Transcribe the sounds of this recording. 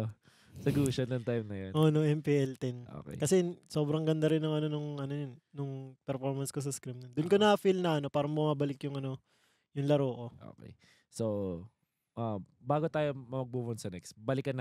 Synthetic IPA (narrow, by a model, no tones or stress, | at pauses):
o | sɐɡuːʃɐnlɐnt̪ajmnɐjonʔonʊŋʔɛmpiʔɛlt̪ɛnʔo̰kɛ̰jkɐsɛso̞ːbɾɐŋɡɐnd̪ɐɾɪnːʊŋɐno̞nʊŋʔɐnojonːʊŋpɛɾfoɾmɐnskos̬ɐskɾimnond̪ʊnkonɐfilnɐʔɐno̞paːɾɐmbʊmaːbɐlɪkjʊŋɐno̞ | jʊŋlɐɾo̞ːʔo̞ʔo̰ːkɛ̰j | so | ʔɐbaːɡo̞t̪aːjomɐmɐɡ̚buːvʊnsɐnɛksbɐlɪkɐn